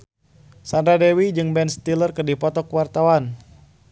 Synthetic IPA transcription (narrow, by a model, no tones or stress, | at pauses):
sandɾadɛwid͡ʒɨŋbɛnst̪ilərkərdipɔt̪ɔkwart̪awan